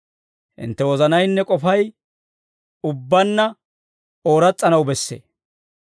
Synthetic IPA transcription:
hɪ̰nt̪ːɛwɔzɐnɐjnːɛkʼɔfɐj | ʊbːɐnːɐ | oːɾɐt͡sʼːɐnɐwbɛsːḛː

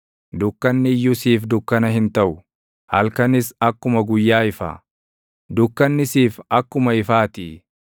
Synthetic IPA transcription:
d̪ʊkːɐnːɪjːʊsiːfd̪ʊkːɐnɐhɪnt̪ɐʔʊ | hɐlkɐnɪsɐkːʊmɐɡʊjːaːɪfa̰ː | d̪ʊkːɐnːɪsiːfɐkːʊmɐɪfaːt̪iː

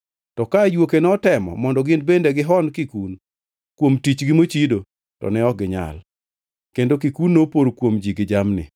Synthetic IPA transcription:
tɔkajwokenɔtɛmɔ̰mɔndɔɡɪnbendeɡɪɦɔnkikun | kwomtit͡ʃɡɪmot͡ʃido | tɔ̰nɛɔɡɪɲa̰l | kendokikunːopoɾokwomd͡ʒiɡɪd͡ʒamnɪ̰

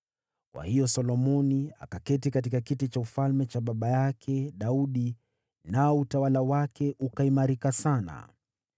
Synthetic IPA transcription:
kwa̰hijɔsɔlɔmɔnia̰kakɛtikatikakitit͡ʃaufalmɛt͡ʃaɓaɓajakʰɛɗauɗi | naɔutawalawakɛʔukaimaɾikasana̰

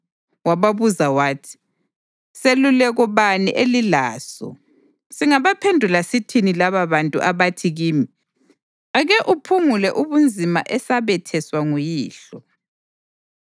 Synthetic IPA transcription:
waβaβuzawaːtʰi̥ | selulɛɣɔβanḭʔelilaːsɔ̰ | siŋaβapʰendʱulasitʰinilaβaβantʼṵʔaβatʰiɣiːmi | aɣɛʔupʰuŋulɛʔuβund͡zʱima̰ʔɛsaβɛtʰɛswaŋujiːɬɔ

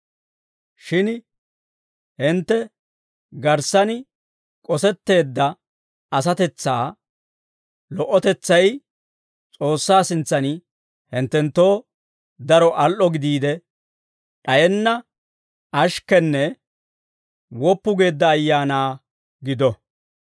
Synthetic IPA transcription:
ʃɪn | hɪnt̪ːɛ | ɡɐɾsɐnɪ | kʼɔsɛt̪ːe̞ːd̪ːɐ | ɐs̬ɐt̪ɛt͡sːaː | lɔʔɔt̪ɛt͡sːɐj | t͡sʼo̞ːsːaːsɪnt͡sːɐnɪ | hɪnt̪ːɛnt̪ːo̞ː | d̪ɐɾɔʔɐlʔɔɡɪd̪iːd̪ɛ | ᶑɐjɛnːɐ | ɐʃkɛnːɛ | wɔpːʊɡe̞ːd̪ːɐːjːaːnaː | ɡɪd̪ɔ

